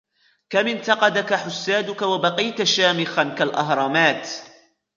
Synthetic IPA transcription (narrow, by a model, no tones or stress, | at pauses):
kamɪnt̪ɑqɑd̪akaħʊsːaːd̪ʊkawabɑqijt̪ʃaːmɪxankalʔɑɦɾˤɑːmaːt̪